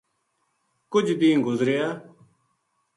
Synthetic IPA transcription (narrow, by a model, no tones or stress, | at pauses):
kʊd͡ʒʱbĩːɡʊzɾejaː